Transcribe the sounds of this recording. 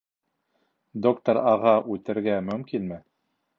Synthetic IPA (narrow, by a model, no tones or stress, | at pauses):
d̪okt̪oɾɑʁɑʔʉt̪ɘ̆ɾɡæmɵ̆mkinmɘ